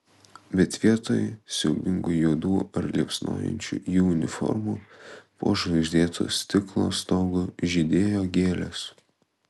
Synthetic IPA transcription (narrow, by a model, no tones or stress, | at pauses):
bʲɛt̪ʋʲiɛt̪oːjɛsʲɛʊɡʲɪŋɡʊjuːd̪uːɐɾlʲiɛpsno̰ːjɛ̰nʲt͡ʃʲṵːjuːʊnʲɪfɔ̰ɾmuːpo̰ːʒʲɪʒʲd̪ʲeːt̪ʰo̰ːst̪ʲɪklˠo̰ːst̪oːɡoʒʲɪd̪ʲeːjoːɡʲeːlʲɛs